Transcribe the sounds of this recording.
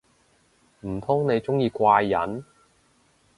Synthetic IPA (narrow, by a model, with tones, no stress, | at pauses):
m̩˨˩t̪ʰʊ˥ŋne˨˧jt͡sʊ˥ŋjiː˧kʷaː˧jːɐ̰˨˥n